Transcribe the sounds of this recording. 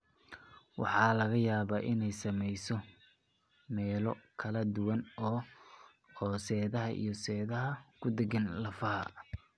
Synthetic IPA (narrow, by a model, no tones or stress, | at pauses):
wɑ̰ħɑːlɐɣɐjaːβaːʔɪnɛjsɐmɛjsɔ | mɛːlɔkʰɐlɐd̪ʊwɐnɔː | hɔːsɛːðɐɦɐʔḭjɞsɛːðɐɦɐkʰʊd̪ɛɡɐnlɐfɐhɐ̰